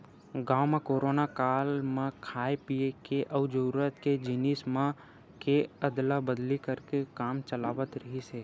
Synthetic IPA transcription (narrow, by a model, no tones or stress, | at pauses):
ɡaːwmẽkoːɾoːnakaːlmãkʰaːepiekeʔɐʋd͡ʒəɾuɾət̪ked͡ʒɪniːsmã | keəd̪labəd̪likəɾkekaːmt͡ʃəlaːʋət̪ɾəɦiseː